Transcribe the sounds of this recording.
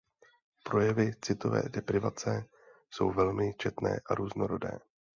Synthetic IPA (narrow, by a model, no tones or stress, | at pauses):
pɾo̞jɛvɪt͡sɪt̪o̞vɛ̰ːdɛpɾɪvat͡sɛ | so̞̰wvɛlmɪt͡ʃɛt̪nɛ̰ːʔaɾuːzno̞ɾo̞dɛ̰ː